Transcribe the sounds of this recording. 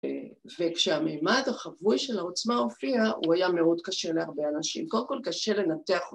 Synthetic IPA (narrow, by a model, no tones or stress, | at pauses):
vekʃeamejmadaχavujʃe̞lao̞t͡smao̞fiaʔuajame̞o̞dkaʃe̞leaʁbeanaʃḭmkodemkolkaʃe̞le̞nate̞aχ